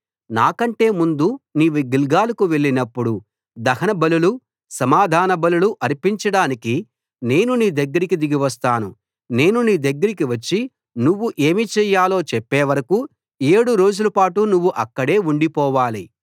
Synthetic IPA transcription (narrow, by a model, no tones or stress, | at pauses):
naːkɐɳʈe̞ːmund̪uniːʋiɡilɡaːlɐkuʋe̞ɭːinɐpːuɽu | d̪ɐɦɐnɐbɐlulu | sɐmaːd̪ʱaːnɐbɐluluʔɐɾipiɲt͡ʃɐɽaːniki | ne̞ːnuniːd̪ɐɡːɐɾikid̪iɡiʋɐst̪aːnṵ | ne̞ːnuniːd̪ɐɡːɐɾikiʋɐt͡ʃːi | nuʋːuʔe̞ːmit͡ʃɛːjaːlo̞ːt͡ʃɛpːeːʋɐɾɐku | e̞ːɽuɾo̞ːd͡ʒulɐpaːʈunuʋːuʔɐkːɐɽe̞ːuɳɖipɔːʋaːlḭ